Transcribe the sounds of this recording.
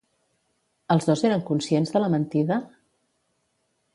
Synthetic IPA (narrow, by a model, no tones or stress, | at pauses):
əlˠzðozeɾəŋkunsienzðələmənt̪iðə